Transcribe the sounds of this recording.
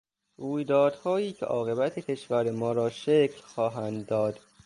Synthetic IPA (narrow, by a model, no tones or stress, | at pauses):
ruːjd̪ɒːd̪̥hɒːjiːcʰḛʔɒːɣe̞bæt̪ʰecʰeʃvæɾemɒːɾɒːʃekʰlxɒːɦænd̪ːɒːd̪̥